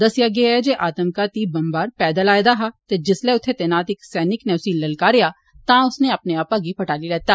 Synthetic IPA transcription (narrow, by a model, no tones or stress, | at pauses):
d̪ɐsjaɡeaɦɛd͡ʒeʔaːt̪əmkat̪ibɐ̃mbaːɾpɛːd̪əlaːed̪aɦat̪ed͡ʒɪsleʊt̪ʰet̪enaːt̪ɪksɛːnɪknɛːʊsiːllɐlkaɾeja | t̪ãʊsneɐpneaːpaɡʱipɐʈaːlilɛːt̪aː